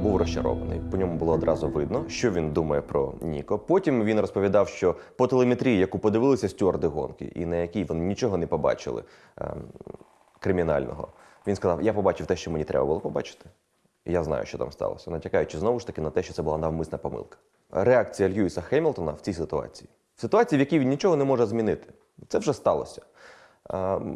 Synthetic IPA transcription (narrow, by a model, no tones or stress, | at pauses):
buwrɔsʲt͡ʃɐ̰ɾɔ̰ʋɐnɪ̰jpɔnʲɔmʊbʊlˠɔːd̪ɾɑzʊʋɪd̪nɔʃt͡ʃɔʋʲind̪umɐjɛpɾɔ̰nʲḭkɔpɔtʲimʋʲinrɔspɔʋʲid̪ɑwʃt͡ʃɔpɔt̪elˠemet̪ɾʲijjɐkupɔd̪ɪʋɪlˠɪsʲɐsʲtʲuɔrd̪ɪɦɔ̰nkɪ̰ʔḭnɐjɐkʲijʋɔnɪnʲit͡ʃɔɦɔnɛpɔbɑ̰t͡ʃɪ̰lˠɪ̰ | kɾɪmʲinɑ̰lʲnɔ̰ɦɔ̰ | ʋʲinskɐzɑ̰wjapɔbɑt͡ʃɪwt̪ɛʃt͡ʃɔmenʲit̪ɾɛ̰bɐbʊlˠɔpɔbɑt͡ʃɪ̥t̪ɪ̥ | jaznɑ̰jʊ̰ʃt͡ʃɔt̪a̰mst̪ɑ̰l̰ˠsʲɐnɐtʲɐkajʊt͡ʃɪznɔʋʊʃt̪ɐkɪnɐt̪ɛʃt͡ʃɔt̪ɛbʊlˠanɐwmɪsnɐpɔmɪ̰lˠkɐ̥ | ɾeak̚t͡sʲijɐlʲjuisɐxɛmʲilˠt̪ɔnɐwt͡sʲijsɪt̪ʊɑ̰t͡sʲi̥ji | w̥sɪt̪ʊat͡sʲijiʋjɐkʲijʋʲinnʲit͡ʃɔɦɔnɛmɔʐɛzmʲinɪt̪ɪ̥ | t̪sɛʋʒɛst̪ɑlˠɔ̰sʲɐ̥